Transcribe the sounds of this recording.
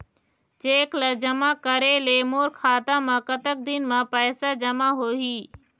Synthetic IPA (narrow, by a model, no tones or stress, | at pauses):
d͡ʒeːkləd͡ʒəmaːkəɾeːleːmoːɾkʰaːt̪ãmãkət̪ək̚d̪ɪnmãpəːsad͡ʒəmaɦoɦiː